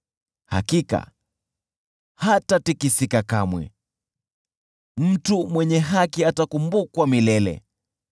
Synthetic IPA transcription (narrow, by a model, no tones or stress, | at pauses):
ha̰kika̰ | hatatikisikakamwɛ̰ | m̩tumwɛɲɛɦakiatakumbukwamilɛlɛ̰